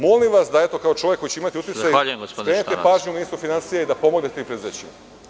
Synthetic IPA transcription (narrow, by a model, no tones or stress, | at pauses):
molimʋasd̪aet̪o̞kao̞t͡ʃo̞ʋjeko̞jit͡ɕeimat̪iut̪itzajaːʎujemɡospod̪kɾeːnitt̪epaːʒɲumiːst̪ufinansijaid̪apo̞mo̞ɡne̞t̪eimpɾed̪uzeːt͡ɕima